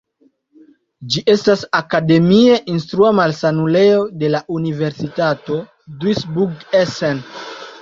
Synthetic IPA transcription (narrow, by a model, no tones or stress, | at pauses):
d͡ʒiʔe̞stasakade̞mieʔinstɾuamalsanule̞ode̞laʔunive̞ɾsitato̞ | dwisbuɡesen